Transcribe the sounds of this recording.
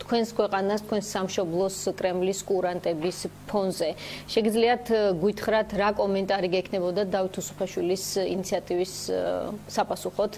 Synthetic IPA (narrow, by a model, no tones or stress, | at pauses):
t̪ʰkʰwɛnskʰwɛqʼanast̪ʰkwɛnsːamʃɔblˠɔskʼɾɛmliskʼuɾant̪ʼɛbispʰɔnzɛʃɛɡid̪zliat̪ʰɡwit̪ʰχɾat̪ʰɾakʼɔmɛnt̪ʼaɾiɡɛkʰnɛbɔd̪ad̪avit̪ʰusu̥pʰaʃwilisḭnit̪sʰiat̪ʼivisː | apʼasuχɔt̪ʰ